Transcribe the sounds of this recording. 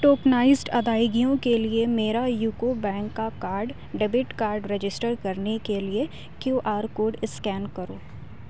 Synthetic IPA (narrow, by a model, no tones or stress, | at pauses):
ʈoːknaːɪzʈɐd̪aːɪɡijõkeliemeːɾajuːkobɛ̃ːŋkːakaːɾɖ | ɖɛbɪʈkaːɾɖɾed͡ʒɪsʈəɾkɐɾnekelie | kjuːʔaːɾkoːɾɖɪskɛːnkɐɾoː